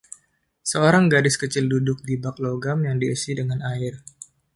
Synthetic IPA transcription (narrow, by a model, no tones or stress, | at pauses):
səoɾaŋɡadɪskət͡ʃɪldudʊk̚dibak̚loɡamjaŋdiəsidəŋanaɪr